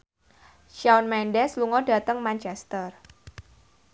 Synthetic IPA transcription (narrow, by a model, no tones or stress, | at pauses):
ʃawnmɛndɛsluŋɔɖ̥a̤t̪əŋmant͡ʃɛst̪ər